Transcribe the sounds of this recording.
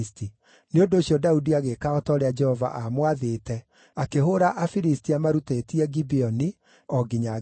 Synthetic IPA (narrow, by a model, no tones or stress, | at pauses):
sti | neondoːɕjɔdaudiaɣekaɔtɔɾɛad͡ʒɛhɔva̰ʔamwaðetɛ | akeɦoɾaʔafiɾistiamaɾutetiɛɡibiɔni | ɔɡiɲa